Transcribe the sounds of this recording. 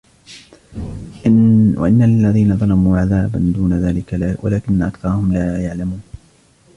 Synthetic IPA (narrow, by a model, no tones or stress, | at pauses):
wa̰ʔɪnːalːaðiːnaðˤɑlɑmuːʕaðaːba̰nd̪uːnaðaːlɪklawa̰laːkɪnːaʔakθɑɾˤɑhʊmlaːjaʕlamuːn